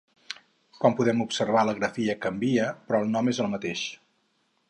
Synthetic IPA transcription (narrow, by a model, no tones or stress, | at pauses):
kɔmpuðɛmupsəɾβaləɣɾəfiəkəmbiəpɾɔːlˠnɔmezəlˠmət̪eʃ